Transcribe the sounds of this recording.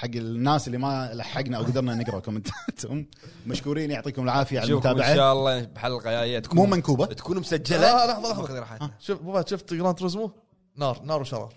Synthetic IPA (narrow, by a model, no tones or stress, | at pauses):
ħaɡːɪnːaːsɪlːimalaħːaɡnaʔawɡad̪ɑɾˤnanɪɡɾˤɑkʊmɪnt̪at̪hʊm | maʃkuːɾiːnjʊʕt̪ˤiːkʊmɪlʕaːfɪjaʕalmt̪aːbɪʕaaːɑlˤːɑːbħalːlqajaːjjat̪kmuːmankuːbat̪ḁkuːnmʊsad͡ʒːalalɑħðˤɑlɑħˤɾħaaaʃʊfmabat̪ʃʊft̪ɡɾˤɑːnt̪ɾɑzmu | nɑːɾˤnɑːɾˤwʃɑɾˤɑ̰ːɾˤ